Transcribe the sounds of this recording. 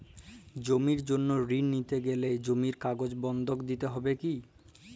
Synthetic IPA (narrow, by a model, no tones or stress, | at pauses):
d͡ʑomiɾd͡ʑonːoɾinːit̪eɡeled͡ʑomiɾkaɡod͡ʑbɔnd̪ʱokd̪it̪eɦɔbeki